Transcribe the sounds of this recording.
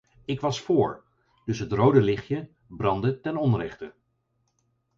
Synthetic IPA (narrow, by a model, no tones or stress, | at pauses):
ɪkʋɑsfʊːɹ | dɵsɦətrowdəlɪχjə | brɑndətɛnɔnrɛχtə